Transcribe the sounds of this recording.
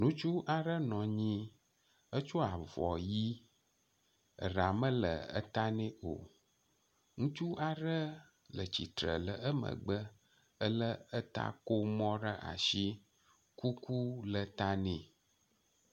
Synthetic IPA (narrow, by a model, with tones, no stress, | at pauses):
nũ˦t͡ʃu˦ʔa˨ɖə˦nɔ̃˨ɲĩ˦ | ə˦t͡ʃu˦a˨vɔ˨ji˦˨ | ɖa˨mə̃˦lə̰˨ə̰˦t̪a˦nẽ˦o̰˨ | ŋũ˦t͡ʃu˦ʔa˨ɖə˦ | lə˨t͡ɕi˨t̪ɾə̰˨lə˨ʔə˦mə̰̃˨ɡ͡bə˦ | ə˦lə˦ə˦t̪a̰˦ko˦mɔ̃˦ɖə˦ʔa̰˨ʃi˦ | ku˦ku˦lə˨t̪a˦nẽ˨